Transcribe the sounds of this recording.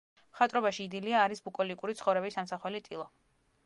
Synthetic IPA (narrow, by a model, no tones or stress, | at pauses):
mχat̪ʼɾɔbaʃiːd̪iliaːɾisbukʼɔlikʼuɾit̪sʰχɔvɾɛbisːamsaχwɛlit̪ʼilˠɔ